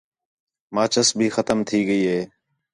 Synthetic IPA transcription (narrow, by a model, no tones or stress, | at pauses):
maːt͡ʃəsbʱiːxət̪əmt̪ʰiːɡəiːɦeː